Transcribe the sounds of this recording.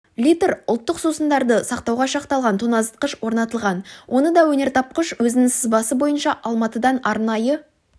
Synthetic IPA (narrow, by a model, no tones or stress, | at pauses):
lʲit̪eɾʊlˠt̪ːəqsusənd̪ɑɾd̪əsɑqt̪ɑwʁɑʃɑqt̪ɑlˠʁɑnt̪ʰunɑzət̪̚qəʃwo̞ɾnɑt̪əlˠʁɑnwʔo̞nəd̪ɑwɵne̞ɾt̪ʰɑp̚qəʃwɵzɪnɪŋsɪzbɑsəbo̞jənʃɑʔɑlˠmɑt̪əd̪ɑnɑɾnɑjə